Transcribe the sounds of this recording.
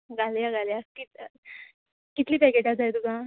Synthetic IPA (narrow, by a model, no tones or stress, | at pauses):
ɡʱaljaɡaljakit̪ | kit̪liːbɛkeʈad͡zajd̪uɡã